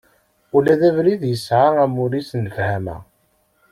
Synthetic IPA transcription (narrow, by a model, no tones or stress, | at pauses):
ulæðævɾiðjəsʕaæmuɾisnəfhæmæ̰